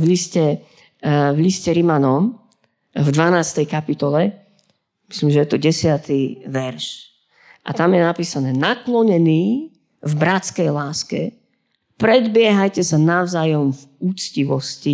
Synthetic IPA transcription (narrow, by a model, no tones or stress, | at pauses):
vliscɛ | vliscɛɾimanɔm | vd̪ʋanaːst̪ɛjkapit̪ɔlɛ | mi̥slimʒɛjɛt̪ɔɟɛsɪat̪iʋɛɾʃ | ʔa̰t̪amjɛnapiːsanɛːnaklɔɲɛniː | vbɾat͡skɛjlaːskɛ̰ | pɾɛd̪bɪɛɦajcɛsanaʊzaːjɔmvut͡sciʋɔsci